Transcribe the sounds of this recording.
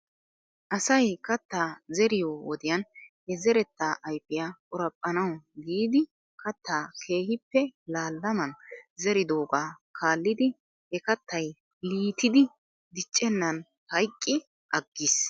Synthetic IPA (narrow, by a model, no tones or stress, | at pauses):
ʔɐsɐjkɐt̪ːaːzɛɾɪjoːwɔd̪ɪjɐnhɛzɛɾɛt̪ːaʔɐjpːɪjakʼʊɾɐpʼːɐnɐwɡiːd̪ɪ | kɐt̪ʰːaːkʰe̞ːhɪpːɛlaːlːɐmɐnzɛɾɪd̪o̞ːɡaː | kʰaːlːɪd̪ɪ | hɛkɐt̪ːɐj | liːt̪ɪd̪ɪ | d̪ɪt͡ʃʼːɛnːɐn | hɐjkʼːɪ | ʔɐɡːɪs